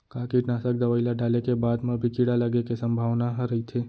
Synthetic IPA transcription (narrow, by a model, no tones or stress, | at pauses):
kaːkiʈnaːsək̚d̪ɐʋaːilaɖaːlekebaːd̪mɐ̃bʱikiɽalɐɡekesɐ̃mbʱaːʋnaɦəɾɐit̪ʰeː